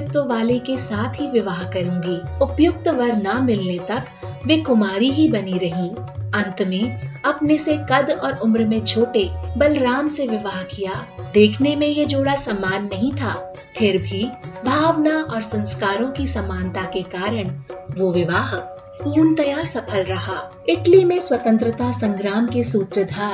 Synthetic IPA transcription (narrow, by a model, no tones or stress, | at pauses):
t̪oʋaːlekesaːt̪ʰɦiʋɪʋaːɦkɐɾũːɡiːʊpjʊk̚t̪ʋɐɾnamɪlnet̪ɐk | ʋekʊmaːɾiɦibɐniɾɐɦĩ | ɐ̃nt̪neɐpnesekɐd̪ɔːɾʊmɾmẽt͡ʃʰoːʈebɐlɾaːmseʋɪʋaːɦkijaːd̪eːkʰnemẽjed͡ʒoːɽasɐmːaːnːɐɦĩt̪ʰaː | pʰɪɾbʱibʱaːʋnaʔɔːɾsɐ̃nskaːɾõkisɐmaːnt̪akekaːɾəɽ̃ʋoʋɪʋaːɦək̚ | puːnt̪əjasɐpʰəlɾɐɦaː | ɪʈlimẽswɐt̪ə̃nt̪ɾət̪asɐ̃ŋɡɾaːmkesuːt̪ɾəd̪ʱaːɾ